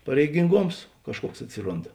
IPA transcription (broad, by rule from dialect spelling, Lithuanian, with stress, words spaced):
pɐrʲɛɪɡʲɪŋˈɡoːms ˈkɑːʃˌkuɔks ɐtʲˈsʲɪroːnt